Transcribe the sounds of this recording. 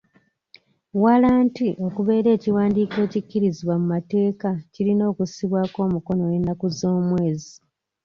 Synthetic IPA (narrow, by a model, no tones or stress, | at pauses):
walaːntiʔo̞kuβe̞ːɾe̞ːciwaːndike̞ːcicːiɾiziβwamumate̞ːkacilino̞ːkussiβwaːko̞ːmuko̞no̞jenːakuzo̞ːmwe̞ːzi